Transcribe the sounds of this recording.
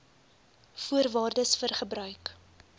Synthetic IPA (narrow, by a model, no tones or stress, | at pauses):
fuərvɑːrdəsfərχəbɾœɥk